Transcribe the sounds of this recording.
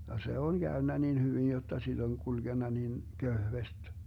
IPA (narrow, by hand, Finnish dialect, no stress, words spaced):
jɑ se on ɡ̊æønːæ nin hyʋin jotːɑ sid̥ oŋ kulɡ̊enːɑ nin køhʋest